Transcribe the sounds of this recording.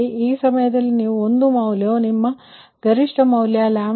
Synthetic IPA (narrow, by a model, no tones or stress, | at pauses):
iiːsɐmɐjɐd̪ɐlːiniːʋuond̪umɐwljoːnimːɐ | ɡɐɾiʂʈɐmɐwljaːlaːm